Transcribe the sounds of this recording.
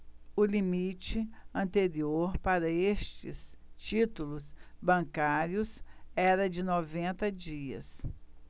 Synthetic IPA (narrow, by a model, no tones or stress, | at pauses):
ʊlimit͡ʃɪɐ̃nt̪eɾioɾpaɾɐest͡ʃɪst͡ʃit̪ulʊsbɐ̃kaɾiʊsɛɾɐd͡ʒɪnɔvẽnt̪ɐd͡ʒiɐ̰s